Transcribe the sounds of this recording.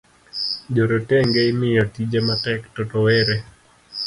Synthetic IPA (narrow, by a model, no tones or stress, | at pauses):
d͡ʒoɾotɛŋɡeimɪjɔtid͡ʒematɛktɔtɔwɛɾe